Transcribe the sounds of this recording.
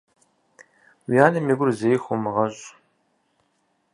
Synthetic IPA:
wijaːnɐmiɡʷʊrzejxʷomɨʁɐɕʼ

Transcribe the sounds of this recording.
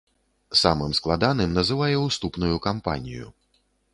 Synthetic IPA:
samɨmsklˠad̪an̪ɨmnɐzɨvajɛuwst̪upnujukampa̰nʲḭjṵ

